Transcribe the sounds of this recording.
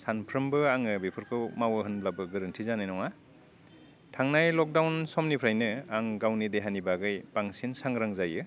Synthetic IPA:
sanpʰɾɯmbɯaŋɯbipʰɯɾkʰɯwmawɯɦɯnblabɯɡɯɾɯntʰizanajnɔŋa | tʰaŋnajlɔk̚dawnsɔmnipʰɾajnɯaŋɡawnideɦanibaɡɯjpaŋsinsaŋɾaŋzajɯ

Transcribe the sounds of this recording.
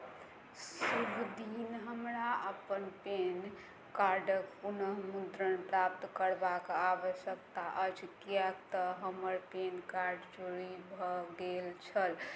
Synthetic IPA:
subʱd̪inɦəmɾaəpənpen | kaɾɖəkpunəɦmud̪ɾənpɾapt̪kəɾbakaʋəʃək̚t̪aʔəd͡ʒkijɛkt̪əɦəməɾpenkaɾɖd͡ʒoɽibʱɔɡelt͡ʃʰəl

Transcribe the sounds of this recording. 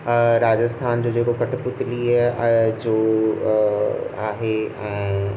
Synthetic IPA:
ɾaːd͡ʑəst̪ʰaːnd͡ʑoːd͡ʑeːkokɐʈpʊt̪li | d͡ʑoː | a̰ːɦeɛ̃ː

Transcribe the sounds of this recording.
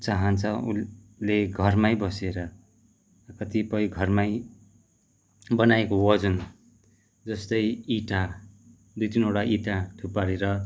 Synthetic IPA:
t͡saɦʌnt͡sʰʌṵ | leɡʱʌrmajbʌseɾʌ | kʌt̪ipʌjɡʱʌrmaj | bʌnajekowʌd͡zʌn | d͡zʌst̪ʌjiʈa | d̪ujt̪inoɽaʔiʈaʈʰupaɾeɾʌ

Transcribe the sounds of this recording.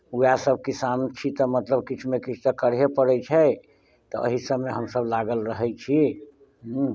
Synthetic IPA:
ujasəb̚ʱkisamt͡ʃʰit̪ɔmət̪ləb̚kit͡ʃʰmekit͡ʃʰt̪əkəɾɦepəɽɛt͡ʃʰɛ | t̪ɔʔə̰ɦisəbmeɦəmsəblaɡəlɾəɦɛjt͡ʃʰi | ɦ̩

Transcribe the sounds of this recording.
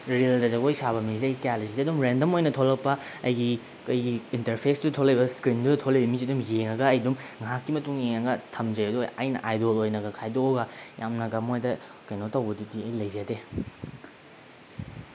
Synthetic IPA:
ɾildɐzɐɡojsaβɐmizidɐjɡikalisidiɐdumɾendɐmojnɐtʰolɐk̚pɐɐjɡi | kɐjɡiinteɾpʰesdudɐtʰolɐjbɐskɾindudɐtʰolɐjbɐmiziɐdumjeŋɐɡɐːjdumŋakːimɐtuŋjeŋɐɡɐtʰɐmd͡ʒɐjɐduajnɐ̰ʔajdolojnɐɡɐkʰajdoɡɐja̰mnɐɡɐmojdɐ | kɐjnotɐwbɐdutiɐjlɐjzete

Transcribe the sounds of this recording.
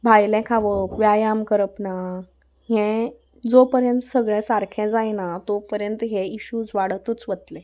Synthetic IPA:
bʱajlɛ̃kʰaʋəpʋjajamkəɾəpna | ɦɛ̃ | d͡zopəɾjə̃nt̪əsəɡɭɛ̃saɾkʰɛ̃d͡zajnat̪opəɾjənt̪ɦẽiɕuːd͡zʋaɽət̪ut͡sʋət̪le

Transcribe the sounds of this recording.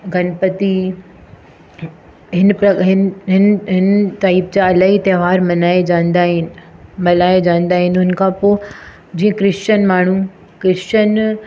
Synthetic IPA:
ɡʱɐnpət̪i | ɦɪnpɾɐɦɪnɦɪnɦɪnʈaːip̚d͡ʑaɐlaːɦit̪ɐːʋaːɾmɐnaːed͡ʑãːnd̪aːɦɪnɪ̆mɐlaːed͡ʑãːnd̪aːɦɪnɦʊn̆kʰãpoː | d͡ʑĩːə̃kɾɪʃt͡ɕənmaːɳ̤u | kɾɪʃt͡ɕən

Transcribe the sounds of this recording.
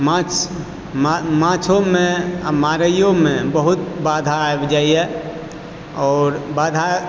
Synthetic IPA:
mãt͡ʃ | mmãt͡ʃʰõmemaɾəjõmẽbəɦut̪̚bad̪ʱaːjbd͡ʒaːiɛ | ɔːɾbad̪ʱa

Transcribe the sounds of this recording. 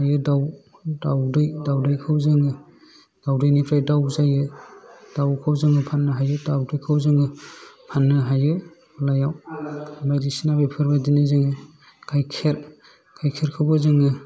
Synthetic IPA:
hajɯdaw | dawdɯjdawdɯjkʰawzɯŋɯ | d̥awdɯjnipʰɾajdawzajɯd̥awkʰawzɯŋɯpʰanːɯɦajɯdawdɯjkʰawzɯŋɯpʰanːɯɦajɯ | lajawmajɾisinabajpʰɯɾbadinɯzɯŋɯ | kʰajkʰeɾ | kʰajkʰeɾkʰɯwbɯzɯŋɯ

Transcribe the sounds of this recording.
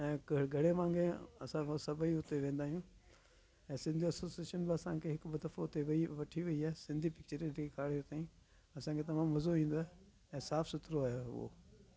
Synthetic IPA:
ɛ̃ːkɡʱɐɽemãːŋɡeɐ̰sãsɐbʱiɦʊt̪eʋẽːn̆d̪aːɦijũː | ɛ̃ːsɪ̃nd̪ʱiɐsoːsieːʃənbɪɐsãkʰeɦɪkbɐd̪ɐfoʊt̪eʋɐiʋɐʈʰiʋɐiaːsɪ̃nd̪ʱipɪk̚t͡ɕəɾẽkʰekʰaːɽiʊt̪aːɦiĩ | ɐsãːkʰet̪̬ɐmãːmʋɐzoĩːn̆d̪oɦɛ | ɛ̃ːsaːfsʊt̪ɾoaːjoʊ̰o̰

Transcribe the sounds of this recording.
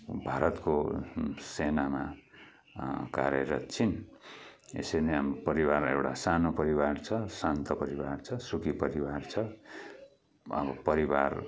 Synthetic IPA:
bʱaɾʌt̪ko | senama | ka̰ɾjʌɾʌ̰t͡sʰin | ḛseneamopʌɾiwarḛwʈa̰sanopʌɾiwart͡sʰʌsant̪ʌpʌɾiwart͡sʰʌsukipʌɾiwart͡sʰʌ | ʌ̰bʌpʌɾibar

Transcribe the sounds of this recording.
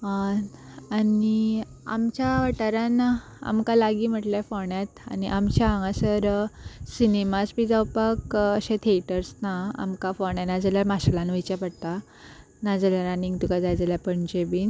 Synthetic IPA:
a | ani | a̰mt͡ɕaʋaʈaɾan | a̰mkalaɡiːm̤əʈljafɔɳjat̪a̰niʔamt͡ɕaaŋɡãsəɾsinemasbid͡zawpakəɕẽt̪ʰeʈəɾsnaa̰mkafɔɳjanad͡zəljaɾmaɕalanʋit͡ɕaɾpəɽt̪a | nad͡zəljaɾaniŋɡt̪ukad͡zajd͡zaljapəɳd͡ʑebiːn

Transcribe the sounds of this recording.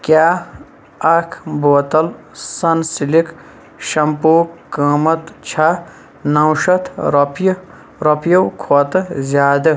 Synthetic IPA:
kʲjaː | ɐkʰboːt̪ɐl | sɐnsilik | ʃɐmpoːkəːmɐt̪t͡ʃʰa | nɐwʃɐt̪ʰɾp | ɾɐpʰjɐwkʰoːt̪ɨzʲjaːd̪ɐ

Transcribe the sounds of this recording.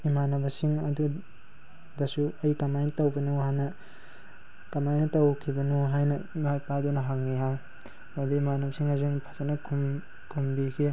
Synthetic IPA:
imanɐbɐsiŋɐdu | dɐsuɐjkɐmajnɐtɐwbɐnuwhajnɐ | kɐmajnɐtɐwkʰibɐnuwɦajnɐimajpadunɐɦak̚niɦaj | aduimanɐbɐsiŋaziŋpʰḁsanɐkʰum | kʰumbikʰi

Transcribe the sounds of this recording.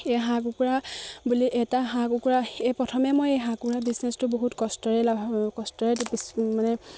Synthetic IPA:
eɦakukuɹabuliʔɛtaɦakukuɹaepɹɔtʰɔmɛmojejɦakuɹabisnɛstʊboɦutkɔstɔɹɛlabʱakɔstɔɹɛtbismanɛ

